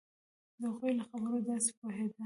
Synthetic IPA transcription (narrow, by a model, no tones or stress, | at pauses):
d̪əɣujlaxabəɾod̪ɑse̥poɦed̪a